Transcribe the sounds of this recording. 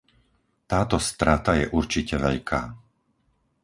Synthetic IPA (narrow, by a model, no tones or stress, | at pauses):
t̪aːt̪ɔst̪ɾat̪ajɛʔuɾt͡ʃicɛʋɛʎkʰaː